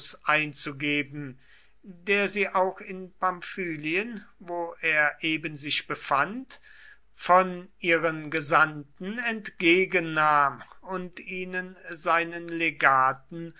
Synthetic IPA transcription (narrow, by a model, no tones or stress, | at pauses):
sʔaɪnt͡suɡeːbn̩ | deːɐziːʔaʊxɪnpamfyːliənvoːʔeːɐʔeːbənzɪçb̥əfant | fɔnʔiːʁənɡəzantn̩ɛntɡ̥eːɡənːaːmʊntiːnənzaɪnənleɡaːtn̩